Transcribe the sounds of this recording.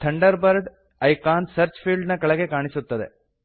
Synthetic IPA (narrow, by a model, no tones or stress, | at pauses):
t̪ʰɐɳɖɐɾbɐɾɖ | ɐjkaːnsɐɾt͡ʃpʰiːɭɖnɐkɐɭɐɡekaːɳisut̪ːɐd̪e̞̰